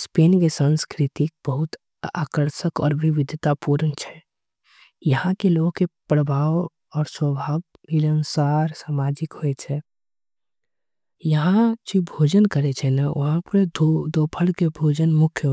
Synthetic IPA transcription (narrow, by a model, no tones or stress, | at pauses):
speːnkesə̃nskɾɪt̪ik̚b̥əɦʊt̪ | a̰ːkəɾʃəkɔ̰ːɾʋɪʋɪd̪ʱət̪apuːɾənt͡ʃʰɛ | jəɦãkeloːɡkepɾəbʱaːʋ | ɔːɾswəbʱaːb | iɾə̃nsaːɾsaːmaːd͡ʒɪkɦoɛt͡ʃʰɛ | jəɦãt͡ʃibʱoːd͡ʒənkəɾet͡ʃʰɛnaʋɐ̰ɦãpɾed̪od̪oːpʰəlkebʱoːd͡ʒənmʊkʰj